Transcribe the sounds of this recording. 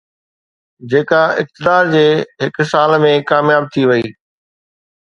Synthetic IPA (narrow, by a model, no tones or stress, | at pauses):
d͡ʑeːkaɪk̚t̪ɪd̪aːɾd͡ʑeːɦɪksaːlmẽkaːmjaːb̚t̪ʰiʋɐiː